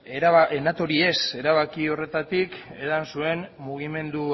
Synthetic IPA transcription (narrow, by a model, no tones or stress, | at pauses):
enat̪o̞ɾie̞se̞ɾaβ̞akio̞re̞t̪at̪ike̞ðansue̞nmuɣime̞nd̪u